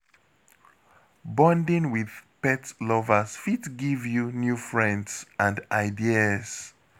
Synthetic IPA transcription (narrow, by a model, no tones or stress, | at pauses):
bɔ̃ndĩŋwið̥pɛtlɔvəsfitɡivjunjufɹɛ̃ndsãndaɪdiəs